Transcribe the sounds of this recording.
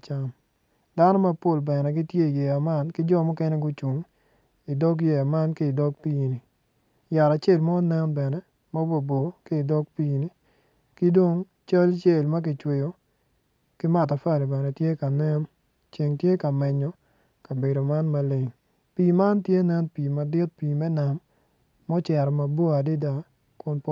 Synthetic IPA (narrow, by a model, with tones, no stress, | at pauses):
t͡ʃa˦m | da˦nɔ˦ma˦po˦˨lbɛ˨nɛ˨ɡi˦tje˦i˨jɛ˨a˨ma˦nkɪ˦d͡ʒɔ˦˨mɔ˦kɛ˦nɛ˦ɡʊ˦t͡ʃu˨ŋ | i˨dɔ˦k̬jɛ˨a˨ma˦nki˦i˨dɔ˦k̚piː˦ni˨ | ja˨ɾa˨t͡ʃe˦˨lmɔ˦nɛ˦nbɛ˨nɛ˦ | ma˦bo˨bo˨ki˦i˨dɔ˦k̚piː˦ni˦ | ki˦do˦ŋ | t͡ʃa˦lt͡ʃe˦˨lma˦k̬ɪ˨t͡ʃwe˨jo˨ | ki˦ma˨t̬a˨fa˦˨li˨bɛ˨nɛ˨tje˦ka˨nɛ˦m | t͡ʃe˨ŋtje˦ka˨mɛ˨ɲɔ˨˦ | ka˨be˨do˨ma˦nma˦le˨ŋ | piː˨ma˦ntje˦nɛ˦npiː˨ma˨dɪ˦t̚piː˨mɛ˦na˨mː | ɔ˦t͡ʃɛ˨ɾɔ˨ma˨bo˦a˨dɪ˦da˦ | kʊ˦npɔ˦